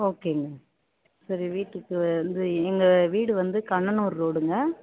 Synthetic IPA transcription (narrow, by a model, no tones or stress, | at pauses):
oːkːeŋɡɐ | sɐɾiʋiːʈːɯkːɯnd̪ɯɛŋɡɐʋiːɽɯʋɐnd̪ɯkɐɳɐnuːɾɾoːɽɯŋɡɐ